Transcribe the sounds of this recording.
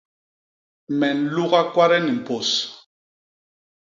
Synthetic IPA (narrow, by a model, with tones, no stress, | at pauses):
mɛ˨n̩˨lu˦ɣa˦kwa˦ɾɛ˦ni˨m̩˨po˨s